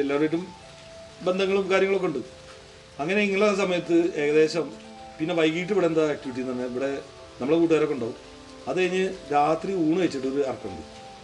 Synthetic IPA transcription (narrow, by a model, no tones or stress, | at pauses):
elːaːrʋiːʈːum | be̞nd̪ʱɐŋːɐɭumkaːɾjɐŋɐɭo̞kːeuɳɖɨ | ɐŋːɐne̞iŋːɐɭːs̬ɐmɐjɐt̪ːɨe̞ːɣɐðe̞ːɕɐm | pinːe̞ʋɐjɡiːʈ̬ːɨʋiɽend̪ɐːk̚ʈiʋiʈ̬ːint̪ɐnːeiʋiɽe̞ | nɐmuɭekuːʈːɨðɐɾɐkːuɳɖaːʋu | ɐðɨkɐɲːɨɾaːt̪riuːɳɨʋɐjt͡ɕːiʈːo̞ɾuɐrɐkːɐṵɳɖɨ̰